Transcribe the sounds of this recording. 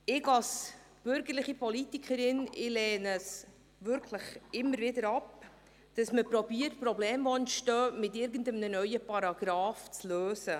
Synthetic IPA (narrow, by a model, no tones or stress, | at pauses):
ɪɡɑls | b̥ʏɾɡəɾlɪχipɔlitikʰχəɾɪnɪlɛːnəs | vʏɾkʰləχɪmːəɾvɪdəɾɑp̚ | d̥ɑsməpɾɔbiːətprɔblɛːmɔnʃtœːmɪtɪɾɡən̩dəmnənœʏəpɑɾɑɡ̥ɾɑːft͡sløːsə